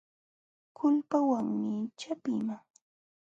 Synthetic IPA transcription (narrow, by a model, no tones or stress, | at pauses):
kʰʊʎpawaŋmɪt͡ʃapɪ̰maŋ